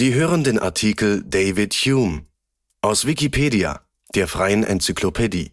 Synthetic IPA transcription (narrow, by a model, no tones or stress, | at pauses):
z̥iːɦøːʁəndeːnʔa̰ɐtʰiːkl̩deɪvɪthuːm | ʔaʊsv̥ikipʰeːdia̰ | d̥eːɐfʁ̥aɪənʔɛ̰nt͡sykʰlopʰedḭː